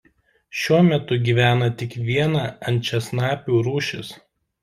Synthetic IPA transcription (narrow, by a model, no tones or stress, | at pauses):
ʃʲuɔmʲɛt̪ʊɡʲiːʋʲæːnɐt̪ʲɪkʋʲiɛnɑːɐnʲt͡ʃʲɛsnɑːpʲuːɾuːʃʲɪs